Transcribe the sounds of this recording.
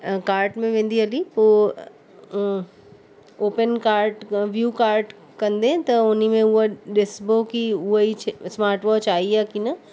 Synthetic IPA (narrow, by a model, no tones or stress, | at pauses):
kaːɾʈmẽʋẽːn̆d̪iɦɐlipoː | oːpənkaːɾʈʋjuːkaːɾʈ | kɐ̃nd̪ẽt̪ɐʊnimẽʊɦoɗɪsbokiʊɦit͡ʃʰsmaːɾʈʋɔːt͡ʃaːiɛːkinɐ